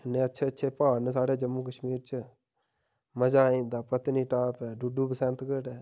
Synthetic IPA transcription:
ɪneətːʃʰeːətːʃʰeːpaːns̬aːɽeːd͡ʒəmːuːkəʃmiːɾt͡ʃə | məd͡ʒaːĩːnd̪aːpət̪niːʈaːpɛːɖuɖuːpəsɛ̃ːnt̪kəɽɛː

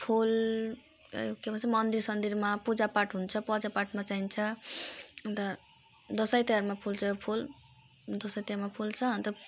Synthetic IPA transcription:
pʰul̰ | okebʌt͡sʰʌmʌnd̪iɾsʌnd̪iɾmapud͡zapaʈɦunt͡sʰʌpʌd͡zapaʈmat͡saɦint͡sʰʌ | ʌnt̪ʌ | d̪ʌsʌjt̪eaɾmapʰult͡sʰʌjopʰul | d̪ʌsʌjt̪amapʰult͡sʰʌɦʌnt̪ʌ

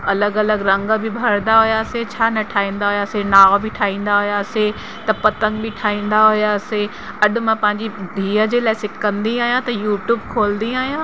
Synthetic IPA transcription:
ɐləɡɐləɡɾɐ̃ŋɡbʱɪbʱɐɾnd̪aɦʊjaset͡ɕʰaːnɐʈʰaːĩːnd̪aɦʊjaːsenaːbɪʈʰaːĩːn̆d̪aɦʊjase | t̪ɐpɐt̪ə̃ŋɡbɪʈʰaːĩːn̆d̪aɦʊjase | ɐɗʊ̆mãpɐ̃ɦɪ̃ɲd͡ʑibʱiːəd͡ʑeːlaːɪsɪʈkɐ̃nd̪iaːɦijãt̪ɐjuːʈjuːbkʰoːlnd̪ĩaːɦijãː

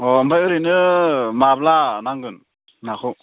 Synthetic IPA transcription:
ɔmpʰajɯɾinɯmablanaŋɡɯn | nakʰɯw

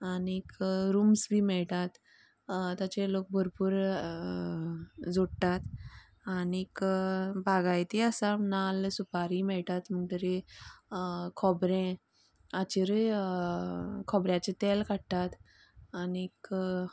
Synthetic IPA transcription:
anikɾumsbʱiːmɛɭʈ̪at̪ | t̪at͡ɕelok̚bʱəɾpuːɾ | d͡zoɽt̪at̪ | anikbʱaɡajt̪eəsanalsupaɾimɛɭʈ̪at̪məɳʈɾe | kʰɔbɾẽ | at͡ɕiɾəj | kʰɔbɾjat͡ɕet̪ɛlkaɽt̪at̪ | anik

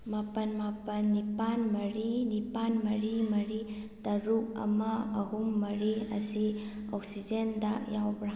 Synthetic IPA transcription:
mapɐnmapɐnːipanmɐɾinipanmɐɾimɐɾi | tɐɾuk̚ɐ̰mɐɐɦumːɐɾiɐ̰si | oksid͡ʒendɐjawbɾa

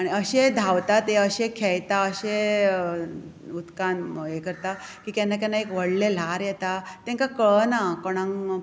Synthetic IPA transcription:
aɽ̃iəɕed̪ʱaʋt̪at̪eəɕẽkʰɛjt̪aəɕe | ut̪kanjekəɾt̪a | kiːkanːak̬anːaekʋəɽlel̤aɾjɛt̪at̪ɛ̃ŋkakəɭnakoɽ̃ãŋ

